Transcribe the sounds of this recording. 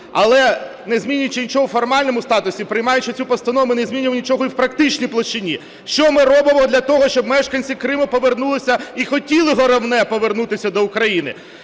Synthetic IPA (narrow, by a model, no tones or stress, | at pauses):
ɐlˠɛ | nezʲmʲinʲʊjt͡ʃɪnʲit͡ʃɔɦɔfɔrmɑlʲnɔmʊst̪ɑt̪ʊsʲipɾɪjmɑjʊt͡ʃɪt͡sʲupɔst̪ɐnɔʋmʊneɪzʲmʲinʲʊʋnʲit͡ʃɔɦɔiwpɾɐk̚t̪ɪt͡ʃʲnʲijplˠɔʃt͡ʃɪnʲi | ʃt͡ʃɔmɪrɔbɪmɔd̪lʲɐt̪ɔɦɔʃt͡ʃɔbmɛʃkɐnʲt͡sʲikɾɪmʊpɔʋernulˠɪsʲɐixɔtʲilˠɪɦɔɾɐwnɛpɔʋernut̪ɪsʲɐd̪ɔʊkɾɐjinɪ̰